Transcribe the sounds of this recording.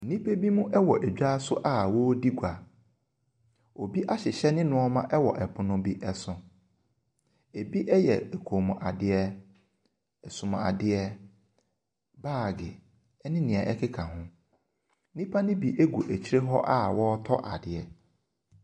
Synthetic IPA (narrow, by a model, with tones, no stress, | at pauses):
nĩ˦pʰe˦bi˦mũ˦ʔɛ˦wɔ˨ʔæ˨d͡ʑᶣa˦sʊ˦ʔa˦wɔ˦di˦ɡʷa˨ | o˨bi˦ʔa˦ɕɪ˨ɕɛ˦nɪ̃˦nʊ̃˦ɔ˦mã˦ʔɛ˦wɔ˨ʔɛ˨pʰʊ˨nʊ̃˦bi˦ʔɛ˦sʊ̃˨ | e˨bi˦ʔɛ˦jɛ̰˨ɛ˨kʰo˨mʊ̃˨ʔa˨dɪ˨˦ɛ˦ | ɛ˨sʊ̃˨mã˨a̰˨dɪ˦ɛ˦ | baː˦˨ɡɪ˨ | ɛ˦nɪ̃˦nĩ˨ɛ˨ʔɛ˦kʰɪ˦kʰã˨ɦʊ̃˦ | nĩ˦pʰa˦nɪ̃˦bi˦ʔe˦ɡu˨ʔæ˨t͡ɕʰi˦ɾe˦ɦɔ˦ʔa˦wɔ˦tʰɔ˦ʔa˨dɪ˨ɛ˨